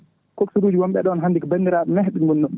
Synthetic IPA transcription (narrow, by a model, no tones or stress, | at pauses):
koksuɾuːd͡ʒiwɔmɓɛɗɔnɦandikɔbandiɾaɗɔmɛɦɗinɡunːɔ